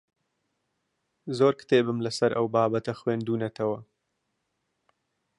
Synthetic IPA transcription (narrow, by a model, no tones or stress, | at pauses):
zoːɾkʰɨ̥t̪eːbɨmlɐsɐɾʔɐ̰wbɑːbɐt̪ɐxweːnd̪uːnɐt̪ʰɐwɐ